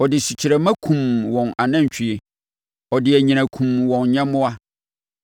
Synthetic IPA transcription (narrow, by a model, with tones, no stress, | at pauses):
ɔ˨dɪ˨ɕi˨t͡ɕʰi˨ɾæ˨mã˦kʰũ˨mwɔ̃˨na˨nã˦ɲ˨t͡ɕᶣʰi˨e˨ | ɔ˨dɪ˨æ˨ɲĩ˨ñã˨kʰũ˨mwɔ̃˨n˦ɲã˦mʊ̃˦a˦